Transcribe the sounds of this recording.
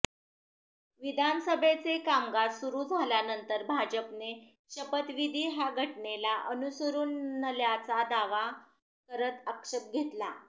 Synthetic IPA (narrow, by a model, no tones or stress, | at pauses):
ʋid̪ʱanəsəbʱet͡sekamɡasuɾuːd͡zʱaljanənt̪əɾbʱad͡ʑəpne | ɕəpət̪ʋid̪ʱiːɦaɡʱəʈnelaʔənusəɾuːnːəljat͡sad̪aʋa | kəɾət̪əkʂəp̚ɡʱet̪la